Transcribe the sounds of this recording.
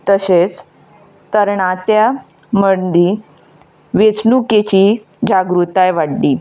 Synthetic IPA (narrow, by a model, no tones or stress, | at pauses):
t̪əset͡s | t̪əɾɳat̪ja | məɳd̪i | ʋet͡snuket͡ɕiː | d͡ʑaɡɾut̪ajʋaɽːiː